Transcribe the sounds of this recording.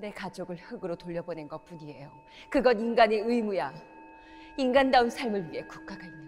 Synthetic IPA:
ne̞kad͡ʑoɡɯɭhɯɡɯɾotoʎːʌbonenɡʌp͈uɲie̞jo | kɯɡʌninɡane̞ɯimuja | inɡandaunsʰaɭmɯɭɥie̞kuk͈aɡʰainːa

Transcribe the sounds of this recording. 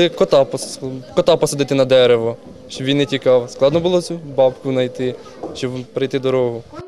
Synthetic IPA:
ɪkɔt̪ɑpɔskɔt̪ɑpɔsed̪ɪt̪ɪnɐd̪ɛɾeʋɔ | ʃt͡ʃɔbʋʲinːetʲikɑwsklˠɑd̪nɔbʊlˠɔsʲubɑbkʊnɐjt̪ɪ | ʃt͡ʃɔbpɾɪjt̪ɪd̪ɔɾɔɦʊ

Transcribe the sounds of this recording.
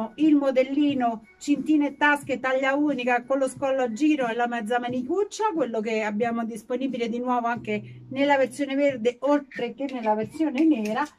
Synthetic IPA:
oilmod̪elːiːno | t͡ʃint̪iːnet̪ːasket̪ːaʎːauːnikakolːoskɔlːad͡ʒːiːɾoɛlːamɛd̪zːamanikut͡ʃːakwelːok̬eabːjaːmod̪isponiːbiled̪inwɔːvoaŋkenelːavert̪sjoːneverd̪eolt̪ɾekenːelːavert̪sjoːnenɛːɾa

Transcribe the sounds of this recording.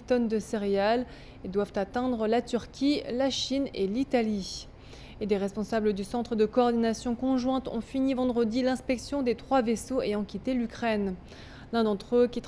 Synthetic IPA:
t̪ɔnd̪əseʁeal | ed̪wavt̪at̪ɛ̃d̪ʁəlat̪yʁkʲʰilaʃinelit̪ali | ed̪eʁɛspɔ̃sabləd̪ysɑ̃t̪χəd̪əkɔːʁd̪inasjɔ̃kɔ̃ʒwɛ̃t̪ɔ̰̃finivɑ̃d̪ʁəd̪ilɛ̃spɛksjɔ̃d̪et̪χwavesoejɑ̃kʲit̪elykχɛn | lɛ̃d̪ɑ̃t̪χəkʲit̪

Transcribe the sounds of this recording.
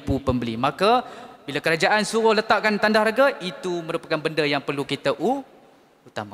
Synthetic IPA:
pupəmbəlimakabilakəɾad͡ʒaʔansuɣʊhlət̪aʔkant̪andahɾaɡait̪uməɾupakanbəndəjaŋpərlukit̪əʔu | ut̪ama

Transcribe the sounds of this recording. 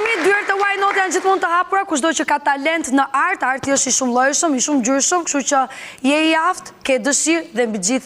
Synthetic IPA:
mid̪yɛɾt̪ɛwajnɔt̪jand͡ʑiθmund̪t̪əhapuɾakuʃd̪ɔt͡ɕəkat̪alɛnt̪nəʔaɾt̪aɾt̪iəʃt̪iʃumlˠɔjʃəmiʃumd͡ʑyɾʃəmkʃt̪ut͡ɕəjɛijaft̪kɛd̪əsiɾðɛmbid͡ʑiθ

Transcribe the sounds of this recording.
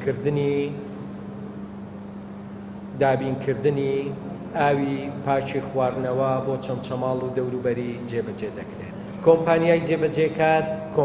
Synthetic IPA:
kɨɾd̪ɨni | d̪aːbiːnkʰɨɾd̪ɨni | aːwipʰaːt͡ʃʰixwaːrnɐwɐbot͡ʃʰɐmt͡ʃʰɐmaːlˠud̪ɐwɾuːbɐɾid͡ʒeːbɐd͡ʒed̪ɐkɾe | kʰompaːnijaːjd͡ʒeːbɐd͡ʒekaːtkʰo

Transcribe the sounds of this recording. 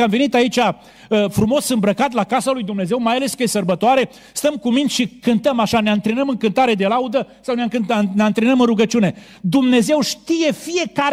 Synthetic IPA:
amve̞nit̪ait͡ʃʲa | fɾumo̞sɨmbɾəkat̪̬lakasalujd̪umne̞ze̞wmajale̞skəjesərbət̪oaɾe̞ | st̪əmkumint̪ʲʃikɨnt̪əmaʃaneaɨnt̪ɾenəmɨŋkɨnt̪aɾe̞d̪e̞laud̪əsawneakɨneant̪ɾenəmɨnruɡət͡ʃiune̞ | d̪umne̞ze̞wʃt̪ije̞fije̞kaɾ

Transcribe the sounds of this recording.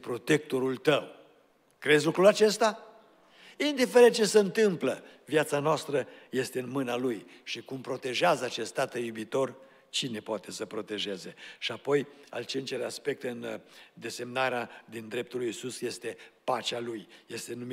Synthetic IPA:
pɾo̞t̪e̞k̚t̪o̞ɾult̪əw | kɾezʲilukɾulat͡ʃe̞st̪a | ind̪ife̞ɾen̚t͡ʃe̞seɨnt̪ɨmpləvjat̪sanoast̪ɾəje̞st̪e̞ɨnmɨnalujʃikumpɾo̞t̪e̞ʒeazəat͡ʃe̞st̪at̪əjubit̪o̞r | t͡ʃine̞poat̪e̞səpɾo̞t̪e̞ʒe̞ze̞ʃiapo̞ja̰lt͡ʃent͡ʃeleaspe̞k̚t̪ɨnd̪e̞se̞mnaɾead̪ind̪ɾe̞p̚t̪ulujisusje̞st̪e̞pat͡ʃalujje̞st̪e̞num

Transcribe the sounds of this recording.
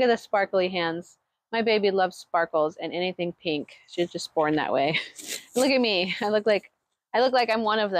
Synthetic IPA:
kɨt̪̚ðɨspɑɹkl̩ˠiɦæ̃nz̥ | maɪbeɪbilʌvz̥spɑɹkl̩ˠzɨ̃nɛniθɪ̃ŋpʰɪ̃ŋkʃizd͡ʒʌsb̥ɔɹnðɨ̰ʔwḛɪ̃nlʊkɨt̚miaɪlʊk̚laɪk | aɪlʊk̚laɪkãɪ̃mwʌ̃nʌvð

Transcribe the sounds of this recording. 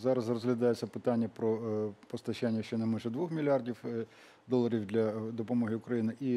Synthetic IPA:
zɑɾɐzrɔzɦlʲɐd̪ɑjet͡sʲːɐpɪt̪ɑnʲːɐpɾɔpɔst̪ɐʃanʲːɐʃt͡ʃɔnɛmanʒɛd̪ʋɔxmʲilʲɑrdʲiw | d̪ɔlˠːɐɾʲiwd̪lʲɐd̪ɔpɔmɔɦɪʊkɾɐjinɪʔi

